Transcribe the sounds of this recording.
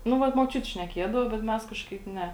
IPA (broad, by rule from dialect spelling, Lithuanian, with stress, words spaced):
ˈnʊ ˈʋɐt moːˈt͡ʃʲʊtʲɪ ʃʲnʲɛˈkʲeːdɐʋoː bʲɛt ˈmʲɛs ˈkɑːʃkɐɪp ˈnʲɛ